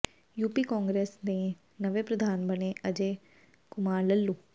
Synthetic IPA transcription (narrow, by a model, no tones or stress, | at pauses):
juːpiːkɔːŋɡɾeːsd̪ẽː | nəʋeːpɾəd̪ʱaːnbəneːʔəd͡ʒeː | kʊmaːɾləlːuː